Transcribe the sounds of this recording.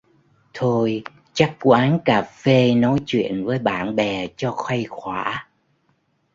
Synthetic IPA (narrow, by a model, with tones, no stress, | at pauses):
t̪ʰo˧j | t͡ɕa˦˥k̚kwʔaː˨˦nkaː˨˩fe˧nɔ˨˦jt͡ɕwḭ˧˨ənvəː˨˦jɓa̰ː˧˩nɓɛ˨˩t͡ɕɔ˧xwa˧jxwaː˧˩